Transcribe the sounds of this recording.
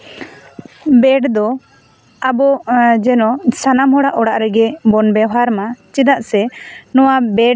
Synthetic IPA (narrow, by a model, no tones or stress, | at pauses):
bɛɖd̪ɔ | abɔd͡ʒɛnɔsanamhɔɽaʔɔɽaʔɾɛɡɛbɔnbɛɦaɾmat͡ʃid̪aʔsɛnɔwabɛɖ